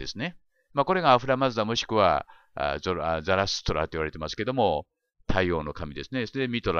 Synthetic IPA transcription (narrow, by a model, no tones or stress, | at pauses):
e̞sɨne̞ | mako̞ɾe̞ɡaːɸɯɾamazɨd̪amo̞ɕi̥kɯ̟βa̰ | ozaɾasɨ̥t̪o̞ɾa̰t̪ojiβaɾe̞t̪emasɨ̥ke̞d̪o̞mo̞ | t̪ʰaio̞ːno̞kamʲid̪e̞sɨne̞soɾed̪emʲit̪o̞ɾa